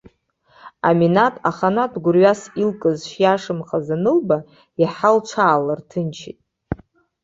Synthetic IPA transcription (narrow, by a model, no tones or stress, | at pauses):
a̰minatʼaχanadɡʷʊrɥasilkʼɨzʃjaʂɨmχʼazanɨlba | jaħalt͡ʃʷʰaːlartʰɨnt͡ʃʰḭtʼ